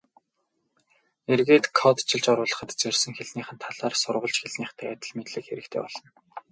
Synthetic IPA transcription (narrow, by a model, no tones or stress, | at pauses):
erɣeːt̪kʰɔt̪t͡ɕʰɪ̆ɮt͡ɕɔɾʊːɮə̆χə̆t̪t͡serʲsɘ̆ŋxeɮniːχə̆nt̪ʰaɮaːrsʊrʁə̆ɮt͡ɕxeɮniːχt̪ʰə̆kæt̪ʲə̆ɮmet̪ɮɘ̆kxeɾɘ̆kt̪ʰḛːpɔɮɞ̆n